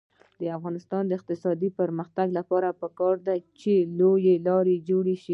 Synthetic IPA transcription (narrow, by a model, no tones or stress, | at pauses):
d̪̥əafɣɑnɪst̪ɑnd̪əɪq̚t̪ɪsɑd̪ipəɾməxt̪aɡlapɑɾapəkɑɾd̪at͡ʃelojelɑɾed͡ʒoɽeʃi